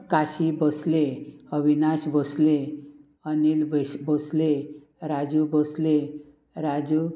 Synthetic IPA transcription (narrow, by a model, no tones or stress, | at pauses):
kaɕibəsleəbʱinaɕbəsle | ənilbbəsle | ɾad͡ʑubəsle | ɾad͡ʑu